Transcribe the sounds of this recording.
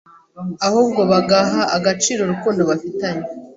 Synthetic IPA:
ahuːbɡo̞βaɡaɦaʔːɡat͡ʃiːɾo̞ɾukuːndo̞βafitaɲe

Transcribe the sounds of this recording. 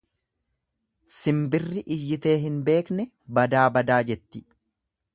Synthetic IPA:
sɪmbɪrːɪʔɪjːɪt̪e̞ːɦɪnbe̞ːknɛ | bɐd̪aːbɐd̪aːd͡ʒɛt̪ːɪ̥

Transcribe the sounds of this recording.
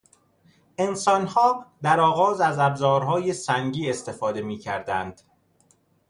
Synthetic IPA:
ʔe̞nsɒːnhɒːd̪æɾɒːɣɒːzæzæbzɒːɾɦɒːjesæŋɟiːest̪e̞fɒːd̪e̞miːcʰæɾd̪ænd̪̥

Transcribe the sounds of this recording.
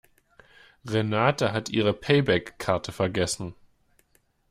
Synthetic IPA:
ʁenaːtaɦatʔḭːʁ̞əpʰɛɪbɛkʰːaɐtʰəfɛɐɡɛsn̩

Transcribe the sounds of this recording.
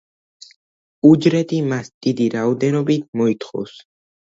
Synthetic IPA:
ud͡ʒɾɛt̪ʰimasd̪̥id̪iɾaɔd̪ɛnɔbit̪̚ʰmɔit̪ʰχɔ̰s

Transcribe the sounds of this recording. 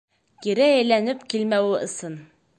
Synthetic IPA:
kiɾæjæjlænɘpkilmæwɘʔɤ̆sɤn

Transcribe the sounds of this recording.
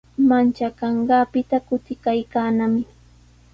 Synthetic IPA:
mant͡ʃakɑɴɢɑːpɪt̪akʊt̪ɪkajkaːnamɪ

